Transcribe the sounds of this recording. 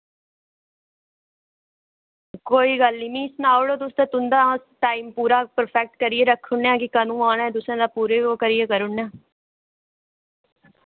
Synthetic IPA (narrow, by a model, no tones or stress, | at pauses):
koːiːɡəlːimĩːsnaːoɽoːt̪ʊst̪et̪ʊnd̪aːsʈaːiːmpuːɾaːpəɾpʰɛk̚ʈkəɾɪeːɾəkʰːʊɳãːkɪkənũːaːnɛːd̪ʊsãːd̪aːpuːɾeːoːkəɾɪjeːkəɾʊɳãː